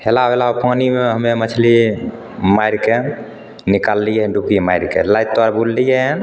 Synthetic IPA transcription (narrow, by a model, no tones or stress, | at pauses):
helaɦoelaopanimeɦəmemət͡ʃʰli | majɾke | nikalːijeɦɖukimajɾkḛlajt̪̚ːaɾbullijan